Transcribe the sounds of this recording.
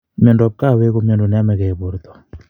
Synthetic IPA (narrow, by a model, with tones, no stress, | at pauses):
mjɔ˨ndɔ˨b̚ka˦˨we˦ko˦mjo˨ndo˨nɛ˦mɛ˨kɛ˨bo˨ɾt̪ɔ̥˨